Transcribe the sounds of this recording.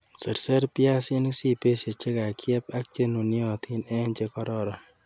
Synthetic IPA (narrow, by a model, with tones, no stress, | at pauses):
se˨ɾse˦ɾpɪa˦sɪ˦ni˦si˦pe˦se˨t͡ʃe˦ka˨kʰjɛ˦pa˦k̚t͡ʃe˦nu˨nɪ˦ɔ˨t̪ʰi˦nɛ˦nt͡ʃe˦kɔ˦ɾɔ˨ɾɔ˨